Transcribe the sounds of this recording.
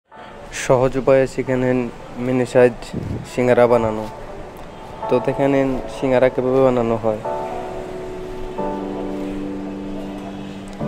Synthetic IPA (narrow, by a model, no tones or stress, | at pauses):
ʃɔɦod͡ʑobajeʃikʰanen | minisajdʃiŋaɾabanano | t̪od̪ekʰanenʃiŋaɾakebabebananoɦɔe